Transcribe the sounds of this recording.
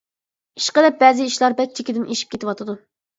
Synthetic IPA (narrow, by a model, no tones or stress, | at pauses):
iʃqəd̪ɛp̚bɛːzɪiʃlˠɑɾbɛk̚ʲt͡ʃ̪ʰekʲid̪ɪnʔeʃi̥p̚kʲet̪ɪwɑt̪ʰɨd̪u